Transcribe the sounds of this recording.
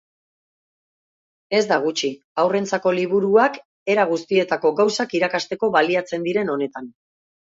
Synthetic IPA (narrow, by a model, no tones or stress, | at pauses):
e̞zd̪aɣ̞ut͡ʃi | awre̞nt͡sako̞liβ̞uɾuak | e̞ɾaɣ̞ust̪ie̞t̪ako̞ɣawsakiɾakast̪e̞ko̞βaliat͡se̞nd̪iɾe̞no̞ne̞t̪an